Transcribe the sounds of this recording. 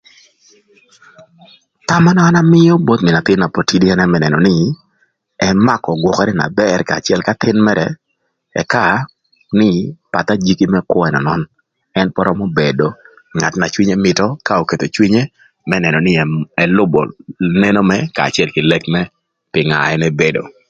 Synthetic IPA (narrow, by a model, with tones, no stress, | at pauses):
ta˦ma˦nɔ˦a˦na˦mɪ˦jɔ˦bo˦t̪mɪ˨na˨t̪ɪ˦nːa˨po˨ti˦di˦ɛ˦nɛ˦mɛnɛ˨nɔ˨nɪ˦ | ɛ˦ma˦kɔ˨ɡwɔ˨kɛ˦ɾɛ˦na̰˨bɛrkaː˨t͡ʃɪɛ˨lka˦t̪ɪ˦nmɛ˦ɾɛ | ɛ̰˨ka˦˨ | nɪ˦pa˨t̪a˦d͡ʒi˦ki˦mɛ˦kwɔ˦ɛ˨nɔ˨nɔ˦n | ɛ˦npɔ˦ɾɔ˦mo˦be˨do˨ | ŋa˨tna˨t͡ʃwi˦ɲɛ˦mɪtɔ˦ka˦o˨ke˨to˨t͡ʃwi˦ɲe˦ | mɛ˦nɛ˨nɔ˨nɪ˦ɛ˨lʊ˦bɔ̰˨ne˦no˦mɛ˦ka̰ː˨t͡ʃɪ˦ɛ˦lkɪ˨lɛ˦kmɛ˦ | pɪ˨ŋa̰˨ɛ˦nɛ˦be˦do̰˨